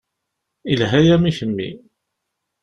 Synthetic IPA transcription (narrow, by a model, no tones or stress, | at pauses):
ilɦæjæmiçəmːḭ